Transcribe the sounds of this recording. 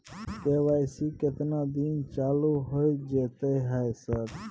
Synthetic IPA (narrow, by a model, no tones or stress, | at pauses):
keʋajsiket̪nad̪int͡ʃaːluɦojd͡ʒet̪ejɦajsəɾ